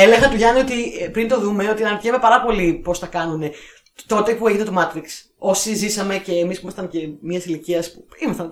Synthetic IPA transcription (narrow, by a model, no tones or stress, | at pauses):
eleɣɐɐt̪uʝɐnio̞t̪ipɾint̪o̞ðume̞o̞t̪iɐnɐɾt̪iɐme̞pɐɾɐpo̞lipo̞st̪ɐkɐnune̞ | t̪o̞t̪e̞pueʝinɐt̪o̞mɐt̪ɾiks | o̞sizisɐme̞ce̞ːmispimɐst̪ɐnce̞miɐsiliciɐspuimɐst̪ɐn